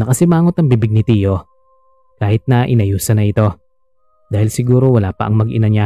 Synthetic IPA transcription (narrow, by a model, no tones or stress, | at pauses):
nɐkɐsɪmaːŋot̪ɐŋbibɪɡ̚nɪt̪iːjo̞ | kaːhɪt̪̚nɐʔɪnɐjuːsɐnɐʔɪt̪o̞ | d̪aːhɪlsɪɡuːɾo̞wɐlaːpɐʔɐŋmɐɡʔɪnɐɲa